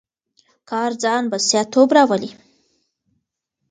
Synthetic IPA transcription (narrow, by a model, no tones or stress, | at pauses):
kɑɾd͡zɑnbasjɑt̪obɾɑwəli